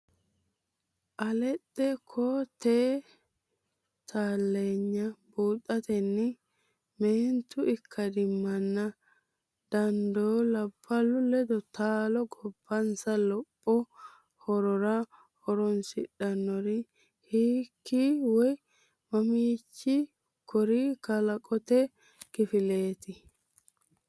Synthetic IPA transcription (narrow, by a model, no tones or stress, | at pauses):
ʔɐlɛtʼːɛkʰɔt̪eː | t̪ʰaːlːeːɲːɐbuːt̪ʼːɐt̪ɛnːɪ | meːnt̪ʊɪkʰːɐd̪ɪmːɐnːɐ | d̪̥ɐnd̪oːlɐbːɐlʊlɛd̪ɔt̪aːlɔɡɔb̥ːɐnsɐlɔpʼːɔ | hɔɾɔɾɐ | hɔɾɔnsɪᶑɐnːɔɾɪ | hiːkːiwɔj | mɐmiːt͡ʃːi | kʰɔɾiːkɐlɐkʼɔt̪ɛ | kɪfɪle̞ːt̪ɪ